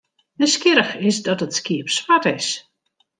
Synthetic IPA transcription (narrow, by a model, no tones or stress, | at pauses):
əskɪɾəxɪsdɔtətskiəpsʋatɪs